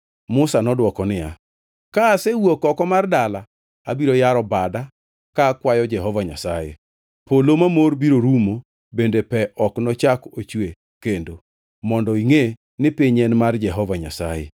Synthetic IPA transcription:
mʊsanɔdwɔkɔnɪja̰ | kaːsɛwokɔkɔmardala | abiɾojaɾɔbada | kaːkwajɔd͡ʒɛɦɔvaɲasajḛ | pʰolomamorbiɾoɾumo | bendepɛʔɔknɔt͡ʃakot͡ʃwe | kendo | mɔndɔiŋe | nɪpiɲɛnmard͡ʒɛɦɔvaɲa̰sa̰jḛ

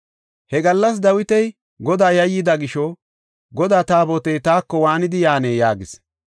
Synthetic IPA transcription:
hɛɡɐlːɐs̬d̪ɐwɪt̪ɛj | ɡɔd̪aːjɐjɪd̪ɐɡɪʃɔ | ɡɔd̪aːt̪aːbɔt̪ɛjt̪aːkːɔwaːnɪd̪ɪjaːneːjaːɡɪs

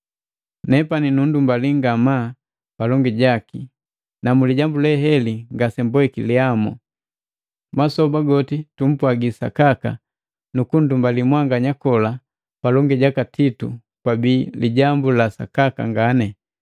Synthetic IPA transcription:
nɛpaninundumbaliŋɡama | palɔŋɡiɟaki | namuliɟambulɛɦɛliŋɡasɛmbwɛkiliamɔ̰ | masɔbaɡɔtitum̩pwaɡisa̰kaka̰ | nukun̩dumbalimwaŋɡaɲakɔla | palɔŋɡiɟakatitṵ | kwabiːliɟambulasa̰kaka̰ŋɡanɛ

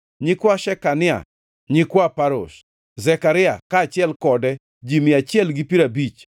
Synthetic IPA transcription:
ɲikwaʃɛkanɪa̰ | ɲikwapaɾo̰ʃ | zɛkaɾɪa̰kaːt͡ʃɪɛlkɔdɛ | d͡ʒimɪat͡ʃɪɛlɡipiɾabit͡ʃ

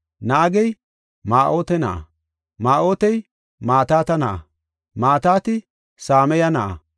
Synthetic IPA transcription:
naːɡɛj | maːʔo̞ːt̪ɛnɐ̰ʔa̰ | maːʔo̞ːt̪ɛj | maːt̪aːt̪ɐnɐʔa̰ | maːt̪aːt̪ɪ | saːmɛjɐnɐʔa̰

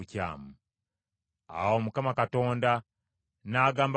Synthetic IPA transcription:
ca̰ːmu | a̰womukamakato̞ːnda | naːɡaːmb

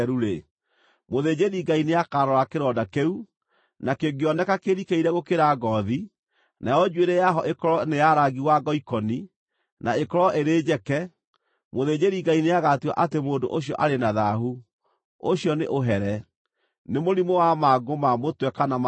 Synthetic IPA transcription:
ɾuɾe | moðed͡ʑeɾiɡaineakaɾɔɾakeɾɔdakeu | nakeɡeɔnɛkakeɾikeiɾɛɣokeɾaɡɔði | najɔd͡ʒweɾɛjaɦɔʔekɔɾɔnejaɾaɣɡiwaɡɔikɔni | naekɔɾɔʔeɾeːd͡ʑɛkɛ | moðed͡ʑeɾiɡaineaɣatuwa̰ʔatemoːndo̰ʔoɕ̬ijɔ̰ʔaɾenaðaɦu | oɕjɔneʔoɦɛɾɛ | nemoɾimowamaɡomamotwɛkanam

